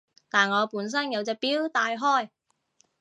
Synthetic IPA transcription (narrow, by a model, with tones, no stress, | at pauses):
t̪aː˨nŋɔː˨˧puː˨˥ns̬ɐ˥njɐ˨˧wt͡sɛː˧k̚piː˥wt̪aː˧jɦɔː˥j